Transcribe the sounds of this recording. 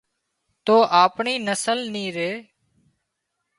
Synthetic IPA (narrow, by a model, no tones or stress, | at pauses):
t̪oːʔaːpɳiːnəsəlnĩːɾeː